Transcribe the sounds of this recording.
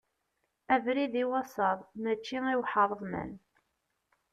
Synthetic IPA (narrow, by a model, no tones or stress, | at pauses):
ævɾiðiwɑsˤɑðˤmæt͡ʃːiŋiwħəɾˤðˤmə̰n